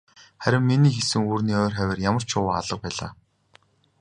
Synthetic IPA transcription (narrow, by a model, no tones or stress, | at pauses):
χæɾʲɪ̆mːeniːxesɘ̆ŋuːrniːɔːrχæwʲɪ̆ːrjamə̆r̥t͡ɕʰʊwaa̰ɮə̆q̚pæːɮa̰ː